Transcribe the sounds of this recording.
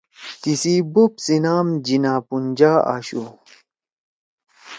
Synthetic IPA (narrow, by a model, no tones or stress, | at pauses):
t̪isibupsinaːmd͡ʑinaːpund͡ʑaːa̰ːɕu